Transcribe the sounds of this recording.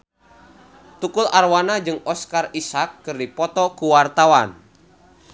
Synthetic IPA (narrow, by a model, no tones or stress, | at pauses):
t̪ukʊlʔarwanad͡ʒɨŋɔskarisakːɨrdipɔt̪ɔkuwart̪awan